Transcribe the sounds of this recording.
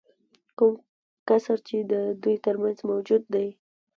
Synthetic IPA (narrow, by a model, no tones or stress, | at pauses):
kʊm | kasəɾt͡ʃed̪əd̪ujt̪əɾmanzmawd͡ʒud̪ːaj